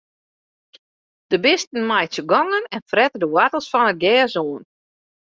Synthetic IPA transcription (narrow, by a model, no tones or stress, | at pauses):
d̥əbɪstən̩majsəɡɔŋənɛnfrɛtədəwatəlˠsfɔnət̚ɡɛːzoːn